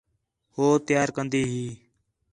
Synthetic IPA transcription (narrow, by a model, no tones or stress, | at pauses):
hoːt̪ɪjaːɾkənd̪iːɦiː